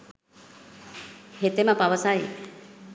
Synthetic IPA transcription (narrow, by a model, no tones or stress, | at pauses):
het̪emɐpaʋəsaj